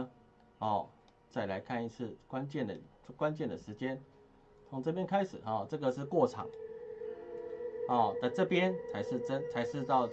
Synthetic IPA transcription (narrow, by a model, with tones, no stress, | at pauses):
hɔ˥˩ | t͡sa˥˩ɪla˧˦ɪkʰa˥˧ni˥˧t͡s̩ʰ˥˩kwa˦nt͡ɕjɛ˥˩nd̪ə̰˩˥˩ | kwa˦nt͡ɕjɛ˥˨nd̪ə˩ʂɻ̩˧˦˥t͡ɕjɛ˦˥n | t͡sʰo˧˥ŋt͡sɤ˥˧pjɛ˥nkʰa˥ɪʂɻ̩˨˩xɔ˥˩t͡sɤ˥˩ɡə˨ʂɻ̩˥˧kwɔ˥˩ʈ͡ʂʰɑ̰˨˩˦ŋ | hɔ˥˨˩t̪a˥˧ʈ͡ʂɤ˥˩pjɛ˦nt͡sʰa˧˦ɪʂɻ̩˥˩ʈ͡ʂə˥˦nt͡sʰa˧˥ɪʂɻ̩˥˧t̪ɑ˥˧ʊ